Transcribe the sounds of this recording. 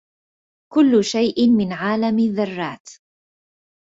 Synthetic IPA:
kʊlːʊʃajʔɪmɪnʕaːlamɪðːɑrˤːɑːt̪

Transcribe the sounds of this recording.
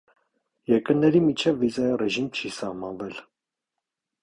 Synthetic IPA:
jɛɾkəɾnɛɾimit͡ʃʰɛvːizɑjɑrɛʒimt͡ʃʰisɑhmɑnvɛl

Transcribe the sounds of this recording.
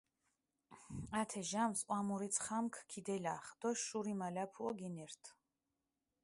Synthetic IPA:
at̪ʰɛʒamsqʼwamuɾit̪sʰχamkʰkʰid̪ɛlaχd̪̥ɔʃuɾimalapʰuɔɡɛnɛɾt̪ʰ

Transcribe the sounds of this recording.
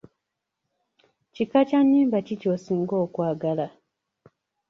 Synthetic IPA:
cikacanːiːmbacicosiːŋɡoːkwaːɡala

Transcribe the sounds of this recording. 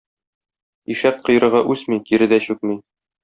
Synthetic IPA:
iʃæt̪̚qɤ̆jɾɤ̆ʁɑʔʉsmikiɾɘd̪æɕʉk̚mi

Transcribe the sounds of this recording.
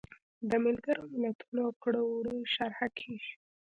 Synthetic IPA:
d̪əmɪlɡaɾomɪlat̪unokɽowɽiʃaɾhakʰeʒi̥

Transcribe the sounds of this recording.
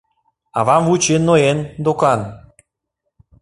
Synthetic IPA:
ɑ̰βɑmvut͡ɕenːoend̪okɑn

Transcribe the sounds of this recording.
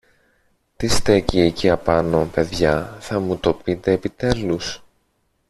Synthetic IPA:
t̪ist̪e̞cieciɐpɐno̞pe̞ðʝɐθɐmut̪o̞pit̪e̞ːpit̪e̞lus

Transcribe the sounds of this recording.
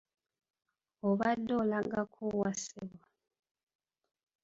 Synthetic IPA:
oβadːolaŋɡakʰuwasiβwa

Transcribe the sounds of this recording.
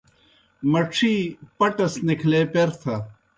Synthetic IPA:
mɐʈ͡ʂʰiːpɐʈɐsnikʰleːpeɾt̪ʰɐ

